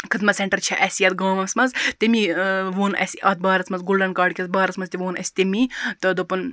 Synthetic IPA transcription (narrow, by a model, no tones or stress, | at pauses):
kʰɨd̪mɐseɳʈɐɾt͡ʃʰɐʔɐsijɐt̪̚ɡaːmɐmsmɐnzt̪emiʋoːnɐ̰siʔɐːt̪̚baːɾɐt͡smɐnzɡulɖɐnkaːɖkʲɐt͡sbaːɾɐt͡smɐnzt̪iʋoːnɐ̰sʲi̥t̪emit̪ɐd̪opɐn